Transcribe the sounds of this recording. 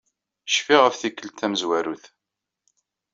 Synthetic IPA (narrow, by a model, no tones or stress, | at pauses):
ʃfiʁəfθikːəlt̪ːæməzwæɾuθ